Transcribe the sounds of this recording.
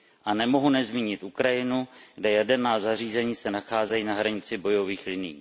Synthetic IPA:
ʔanɛmo̞ɦunɛzmiːɲɪt̪ʔukɾajɪnuɡdɛjɛdɛɾnaːzariːzɛɲiːsɛnaxaːzɛjinaɦɾaɲɪt͡sɪbo̞jo̞viːxlɪnɪjḭ

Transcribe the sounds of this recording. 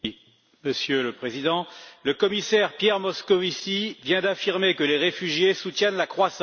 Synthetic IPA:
məsjøləpχezid̪ɑ̃ləkɔmisɛʁpjɛʁmɔskɔvisivjɛ̃d̪afiʁmekəleʁefyʒjesut̪jɛnlakχwasɑ̃

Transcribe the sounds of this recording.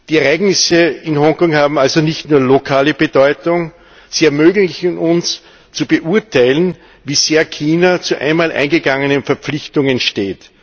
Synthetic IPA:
d̥iːɛɐaɪɡnɪsəɪnhɔŋkɔŋhaːbm̩alzonɪçtnuːɐlokʰaːləb̥ədɔʏtʊŋ | z̥iɛɐmøːɡl̩ɪçn̩ʊns | t͡subəʔuɐtʰaɪlən | viːz̥eːɐkʰiːnɐt͡suʔæ̰ɪnmaːlʔæ̰ɪnɡəɡaŋənənfɛɐp͡flɪçtʊŋənʃteːt

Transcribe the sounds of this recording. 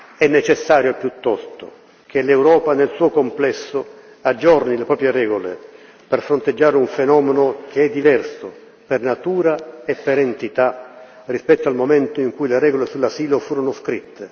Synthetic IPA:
ɛnːet͡ʃɛsːaːɾjopjut̪ːɔst̪o̰ | k̟ʰelewɾɔːpanelsuːokomplɛsːʊ | ad͡ʒːɔrnilepɾɔːpɾjeɾɛːɡolḛ | perfɾont̪ed͡ʒːaːɾuɱfenɔːmɛnʊkʰeɛd̪ːivɛrso | pernat̪uːɾaepːeɾent̪it̪a | rispɛt̪ːoalmomɛnt̪oiŋkujleɾɛːɡolesulːasiːlofuːɾonʊskɾit̪ʰːe

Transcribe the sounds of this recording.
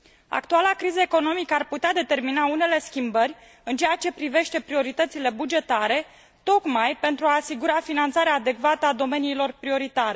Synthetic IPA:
a̰kt̪ualakɾizəeko̞no̞mikəarput̪ead̪e̞t̪e̞rminaune̞le̞skʲimbərʲ | ɨnt͡ʃejat͡ʃe̞pɾive̞ʃt̪e̞pɾio̞ɾit̪ət̪sile̞bud͡ʒe̞t̪aɾe̞ | t̪o̞kmajpe̞nt̪ɾuaːsiɡuɾafinant̪saɾeaːd̪e̞kvat̪əad̪o̞me̞niːlo̞rpɾio̞ɾit̪aɾe̞

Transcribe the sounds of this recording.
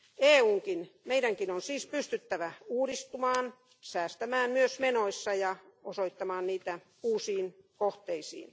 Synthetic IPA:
eːuːŋkinmeidæŋkinonsiːspyst̪yt̪ːæʋæuːɾist̪umɑːn | sæːst̪æmæːnmyøsmenoisːɑjɑosoit̪ːɑmɑːnniːt̪æ | uːsiːnkoht̪eisḭːn

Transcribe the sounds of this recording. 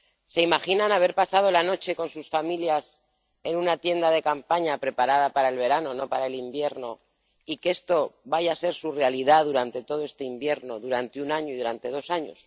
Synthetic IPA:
se̞imaxinanaβ̞e̞ɾpasað̞o̞lano̞t͡ʃe̞ko̞nsusfamiljas | e̞nũnat̪je̞nd̪aðe̞kampaɲapɾe̞paɾaðapaɾae̞lβe̞ɾano̞no̞paɾae̞limbje̞ɾno̞ | ike̞st̪o̞βaʝase̞ɾsure̞aliðaðuɾant̪e̞t̪o̞ð̞o̞e̞st̪eimbje̞ɾno̞ðuɾant̪eunaɲoiðuɾant̪e̞ðo̞saɲo̰s

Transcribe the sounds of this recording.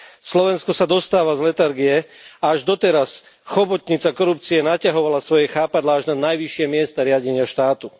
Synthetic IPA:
slɔʋɛnskɔsad̪ɔst̪aːʋazlɛt̪aɾɡijɛaaʒd̪ɔt̪ɛɾas | xɔbɔt̪ɲit͡sakɔɾup̚t͡siɛnacaɦɔʋalasʋɔjɛxaːpad̪laaʒnanajʋiʃɪɛmɪɛst̪aɾɪaɟɛɲɪaʃt̪aːt̪u

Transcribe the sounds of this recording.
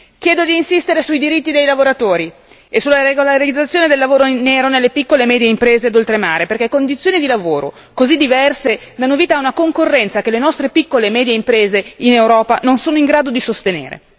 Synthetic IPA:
kjɛːd̪od̪iːnsist̪eɾesuid̪iɾit̪ːid̪ejlavoɾat̪oːɾi | esulːaɾeɡolaɾid̪zːat̪sjoːned̪elːavoːɾoneːɾonelːepikːolemɛːd̪jeimpɾeːzead̪olt̪ɾema̰ːɾeperkekːond̪it̪sːjoːnid̪ilavoːɾo̰ | kozid̪ːivɛrsed̪anːoviːt̪aːunakoŋkorːɛnt̪sakelenɔst̪ɾepikːolemɛːd̪jeimpɾeːzeinewɾɔːpanonsoːnoiŋɡɾaːd̪od̪isost̪enḛːɾḛ

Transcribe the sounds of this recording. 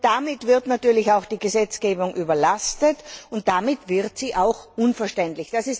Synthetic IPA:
d̥amɪtv̥ɪɐtnatyːɐlɪçaʊxd̥iːɡəzɛt͡sɡ̥eːbʊŋʔyːbɐlastətʊnt̚d̥amɪtv̥ɪʁtsiːʔaʊxʔʊnfɐʃtɛntlɪçd̥asɪs

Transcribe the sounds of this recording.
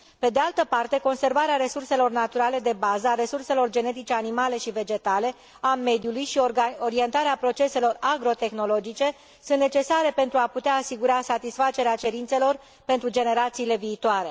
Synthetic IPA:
pe̞d̪e̞alt̪əpart̪e̞ko̞nse̞rvaɾeaɾe̞surse̞lo̞rnat̪uɾale̞d̪e̞bazəaɾe̞surse̞lo̞rd͡ʒe̞ne̞t̪̬it͡ʃe̞animale̞ʃive̞d͡ʒe̞t̪ale̞ | ame̞d̪julujʃioɾie̞nt̪aɾeapɾo̞t͡ʃe̞se̞lo̞raɡɾo̞t̪e̞xno̞lo̞d͡ʒit͡ʃe̞ | sũnt̪ne̞t͡ʃe̞saɾe̞pe̞nt̪ɾuaput̪eaːsiɡuɾasat̪isfat͡ʃe̞ɾeat͡ʃe̞ɾint̪se̞lo̞r | pe̞nt̪ɾud͡ʒe̞ne̞ɾat̪siːle̞viːt̪oaɾe̞

